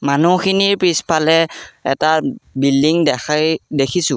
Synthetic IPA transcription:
manuxʰiniɹpɹispʰalɛɛ̰tabildiŋdɛxʰajdekʰisʊ̃

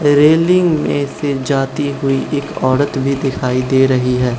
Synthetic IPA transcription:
ɾeːlɪ̃ŋɡmḛ̃sed͡ʒaːt̪iɦʊiʔɪkɔːɾət̪bʱid̪ɪkʰaːid̪eːɾəɦiɦɛː

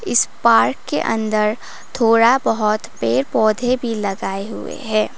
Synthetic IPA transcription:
ɪspaːɾkːḛʔɐ̰̃nd̪əɾ | t̪ʰoːɽabɐɦɔt̪peːɾpɔːd̪ʱebʱilɐɡaːeɦʊ̰ḛɦɛ̃ː

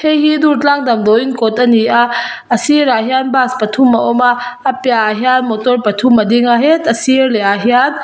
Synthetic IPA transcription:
hʰejɦiduɾt͡ɬaŋdɐmdɔinkɔtɐnia | ɐsiɾaɦjjanbaspɐtʰumːɐʔɔmaːpjaɦianmotɔɾpɐtʰumːɐdeŋaɦetɐsiɾleaɦiat̚

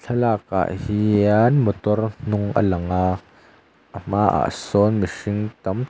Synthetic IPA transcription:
t͡ɬʰɐlaːk̚a̰ʔhianmɔt̪ɔrn̥ʊŋʔə̰lɐŋa | ʔəm̥aʔa̰ʔsɔnmiʂɪŋt̪ɐm

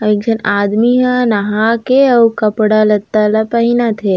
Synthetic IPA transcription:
ɐik̚d͡ʒɐnaːd̪miɦãnɐɦakeɐwkɐpɽalɐt̪ːalɐpɐɦinat̪ʰe

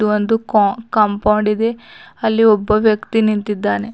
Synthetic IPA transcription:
uʋond̪ukɐmpɐwɳɖid̪e̞ɐlːiɔbːɐʋjɐkt̪inint̪id̪ːaːne̞

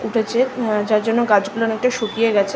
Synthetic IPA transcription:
uʈʰet͡ɕʰed͡ʑaɾd͡ʑonːoɡad͡ʑɡulonɛk̚ʈaʃokijeɡɛt͡ɕʰe

